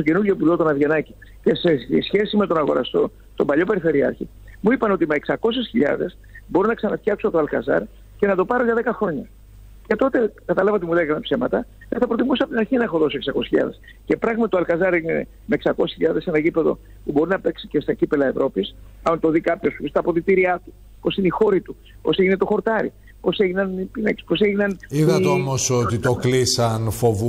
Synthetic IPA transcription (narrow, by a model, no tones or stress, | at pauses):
soce̞nuɾʝopulot̪o̞nɐðʝenɐci | ce̞seisçe̞sime̞t̪o̞nɐɣoɾɐ̰st̪o̞̰ | st̪o̞mbɐʎope̞ɾife̞ɾiɐ̰ɾçḭ | muipɐno̞t̪imeːksɐko̞s̬esçiʎɐ̰ðe̞s | bo̞ɾunɐksɐnɐft̪çɐksuɐpot̪oɐlkɐzɐ̰ɾ | ce̞nɐt̪o̞pɐɾo̞ʝɐðe̞kɐxɾo̞ɲɐ | ce̞t̪o̞t̪e̞kɐt̪ɐlɐvɐot̪imulekɐnɐpsemɐt̪ɐ | teθɐpɾo̞t̪imusɐpot̪inɐɾçinɐexo̞ðo̞soeksɐkose̥sçiʎɐ̰ðe̞s | ce̞pɾɐɣmɐt̪i̥t̪oɐlkɐzɐɾiine | meeksɐkosi̥çiʎɐðe̞senɐʝipe̞ðo̞̰ | pubo̞ɾinɐpe̞ksi̥ce̞st̪ɐcipe̞lɐe̞vɾo̞pisɐnt̪o̞ðikɐpço̞sust̪ɐpo̞ðit̪iɾiɐt̪u̥ | po̞sineixo̞ɾit̪u | po̞̰seʝine̞t̪o̞xo̞ɾt̪ɐɾḭ | po̞se̞ʝinɐnipinekspo̞seʝinɐniðɐt̪eomosot̪it̪oklisɐnfovu